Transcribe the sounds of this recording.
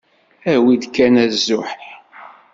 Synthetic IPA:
æwid̪kːænæzːʊħ

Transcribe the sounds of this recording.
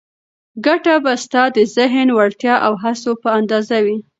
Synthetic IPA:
ɡaʈabast̪ɑd̪əzɪɦnwaɽt̪jɑʔawɦasopəand̪ɑzawi

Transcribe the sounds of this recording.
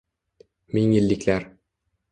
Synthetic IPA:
miŋĭlːɪklæɾ

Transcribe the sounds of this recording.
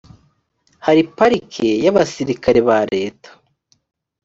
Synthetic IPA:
haɾipaɾikʰe̞jaβasiɾikaɾe̞βaɾe̞ːtḁ

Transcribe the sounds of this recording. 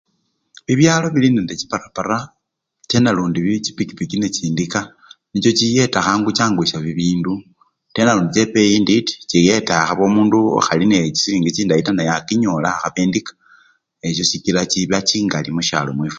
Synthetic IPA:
βiβjaːlo̞βilinendet͡ʃi̥paɾapaɾa | t͡ʃe̞naluːndiβit͡ʃipikipikine̞t͡ʃiːndika | nit͡ʃo̞t͡ʃije̞taxaːŋɡut͡ʃaːŋɡwisaβiβiːndu | te̞naluːndit͡ʃepejinditi̥t͡ʃije̞taxaβo̞muːnduo̰xalinet͡ʃi̥siːŋɡit͡ʃiːndaitanajakiɲo̞laxaβeːndikḁ | e̞ʃ̬o̞t͡ʃikilat͡ʃiβat͡ʃiːŋɡalimuʃa̰lomwiːfu

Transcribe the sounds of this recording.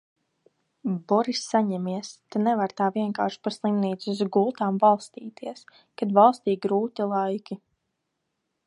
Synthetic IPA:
bɔɾisːaɲɛmiɛst̪anɛvaɾt̪aːviɛŋka̰ːɾʃpaslˠimniːt̪suzɡulˠt̪aːmbalˠst̪iːt̪ʰiɛs | kad̪valˠst̪iːɡɾuːt̪ilˠajkʲi

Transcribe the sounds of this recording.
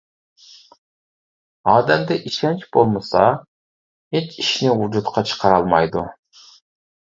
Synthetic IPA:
ɑːd̪ɛmd̪ɛʔiʃɛnt͡ʃb̥olˠmɨsɑ | het͡ʃiʃnɪud͡ʒut̪qʰɑt͡ʃʰə̥qʰɑɾɑlˠmɑjd̪ṵ

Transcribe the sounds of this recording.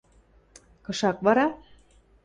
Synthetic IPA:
kɤ̆ʃɑkβɑɾɑ

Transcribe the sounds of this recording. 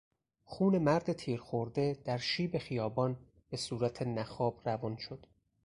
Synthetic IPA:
xuːne̞mæɾd̪et̪ʰiːɾxoɾd̪e̞d̪̥æɾʃiːbe̞xijɒːbɒːn | b̥e̞suːɾæt̪ʰenæxɒːb̥rævɒnʃod̪̥

